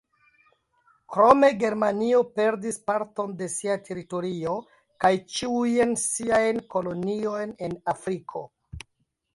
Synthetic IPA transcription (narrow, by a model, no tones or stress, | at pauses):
kɾo̞me̞ɡe̞ɾmanio̞pe̞ɾdispaɾto̞nde̞siatʰe̞ɾito̞ɾio̞ | kajt͡ʃiujnsiajnko̞lo̞nio̞jne̞nafɾikʰo̞̰